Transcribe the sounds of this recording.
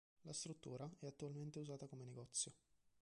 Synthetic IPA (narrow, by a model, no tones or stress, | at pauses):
last̪ɾut̪ːṵːɾaɛat̪ːualment̪euzaːt̪akomeneɡɔt̪sːjo